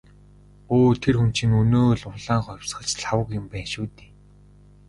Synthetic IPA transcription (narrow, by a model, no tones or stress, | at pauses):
oːt̪ʰerxun̥t͡ɕĭŋɵnoːɮʊɮaːɴχɔjwsχə̆t͡ɕɮawə̆kjɪ̆mpæːʃuːt̪e̥ː